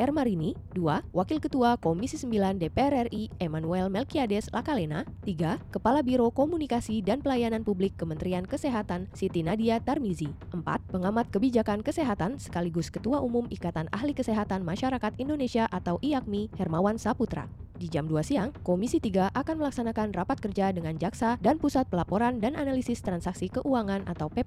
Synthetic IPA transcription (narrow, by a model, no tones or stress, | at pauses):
ʔɛrmaɾiniduawakilkət̪uakomisisəmbilandepeɛrɛriemanuɛlmɛlkiadɛslʔakalena̰t̪iɡakəpalabiɾokomunikasidanpəlajananpublɪkːəmənt̪ɾiankəseɦat̪ansit̪inadiat̪ɛrmiziʔəmpa̰t̪̚pəŋamat̪̚kəbid͡ʒakankəseɦat̪ansə̥kaliɡuskət̪uaʔumumʔikat̪ana̰hlikəseɦat̪anmaʃaɾakat̪indonesiaʔat̪awʔiak̚mihɛrmawansaput̪ɾa̰did͡ʒamduasiaŋkomisit̪iɡaʔakanməlaksanakanrapat̪̚kərd͡ʒadəŋand͡ʒaksadanpusat̪̚pəlapoɾandanʔanalisɪst̪ɾansaksikəʔuaŋanʔa̰t̪awpɛ